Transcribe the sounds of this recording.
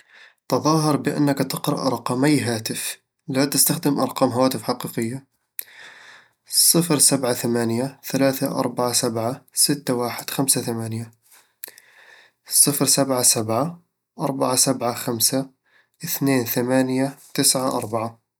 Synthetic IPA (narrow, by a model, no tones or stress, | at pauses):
t̪ɨðˤɑːɦɨɾˤbɪʔa̰nːakt̪ɪqɾɑ̰ʔʔɑɾˤqɑːmajːɦaːt̪ɪf | lat̪ɪst̪axd̪ɪmʔɑ̰ɾˤqɑːmɦawaːt̪ɪfħaqiːqɪjːa | sˤɨfɾsabʕaθamaːnjaθalaːθaʔɑ̰ɾˤbaʕasabʕasɪt̪ːawaːħɪd̪̥xamsaθamaːnja | sˤɨfɾsabʕasabʕa | ʔɑɾˤbaʕasabʕaxamsa | ʔɪθneːnθamaːnjat̪ɪsʕaʔɑ̰ɾˤbaʕa